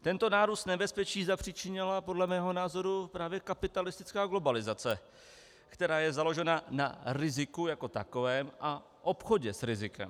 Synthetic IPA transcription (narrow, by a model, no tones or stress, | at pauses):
t̪ɛnt̪o̞naːɾust̪nɛbɛspɛt͡ʃiːzapr̥ɪt͡ʃɪɲɛlapo̞dlɛmɛːɦo̞naːzoɾupɾaːvjɛkapɪt̪alɪst̪ɪ̥t͡skaːɡlo̞balɪzat͡sɛ | kt̪ɛɾaːjɛzalo̞ʒɛnanaɾɪzɪkujako̞t̪a̰ko̞vɛːmʔa | ʔo̞pxo̞ɟɛsɾɪzɪkɛ̰m